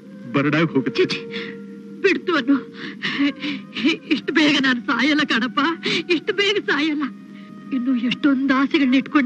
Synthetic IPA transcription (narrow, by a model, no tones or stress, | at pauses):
bɐɾɐɽaːɡɦoːɡɐt̪ːt͡ʃeːt͡ʃ̪i̥ | biɽt̪uʋɐnːu | iʂʈbɛːɡɐnaːnusaːjɐlːɐkɐɽɐpːaːiʂʈbeːɡɐsaːjɐlːɐ | inːuːeʂʈond̪aːsiɡɐɭniʈkoɳ